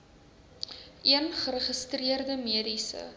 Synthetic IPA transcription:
ʔiənχəɾəχəstriərdəmiədisə̰

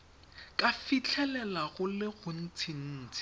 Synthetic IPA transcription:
kʼafit͡ɬʰɛlɛlaɣʊlɪɣʊn̩t͡sʰin̩ːt͡sʰɪ̥

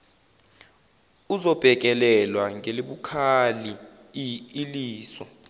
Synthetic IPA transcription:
uzɔb̥ʱɛk̬ʼɛlɛlwaŋʱeliɓukʰaliː | liːswa

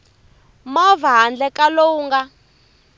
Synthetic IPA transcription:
mɔvaɦand͡ɮɛkalouːŋɡa

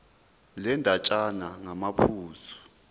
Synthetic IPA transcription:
lɛndʱat͡ʃʼanaŋamapʰuːsɔ̥

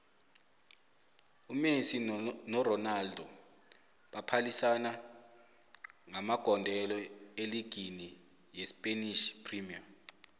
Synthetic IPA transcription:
umesinɔrɔnaldʱɔ | ɓapʰalisana | ŋamaɡ̥ʱɔndʱɛlɔeliɡ̥ʱini | jɛspʼeniʃpʰrimia

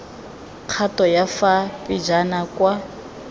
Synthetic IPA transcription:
q͡χʰatɔjafapʼid͡ʒanakwa

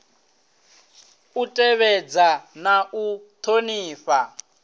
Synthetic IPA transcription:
utʼɛβɛd͡zanaʔut̪ʰoniːɸa

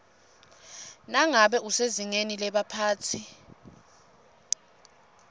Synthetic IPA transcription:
naŋaɓɛuseziŋenilɛɓapʰaːt͡sʰi

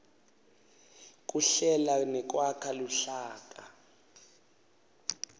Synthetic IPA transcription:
k̬ʼuɬɛlanɛk̬wakʰaluɬaːk̬ʼa

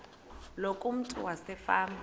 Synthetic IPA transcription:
lokʼum̩tʼṵwasɛfaːmb

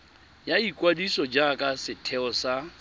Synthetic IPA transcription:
jaikʼwadisɔd͡ʒakʼasɪtʰɛɔsa

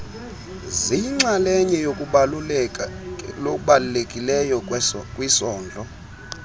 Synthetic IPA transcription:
zijiŋ͡ǀalɛɲɛjokʼuɓalulklokʼuɓalulekʼilɛjɔkʼwisɔːnd͡ɮʱʼɔ

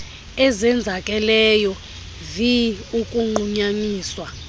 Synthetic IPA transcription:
ɛzɛnd͡zʱakʼɛlɛjɔ | viukʼuŋ͡ǃuɲaɲiːswa

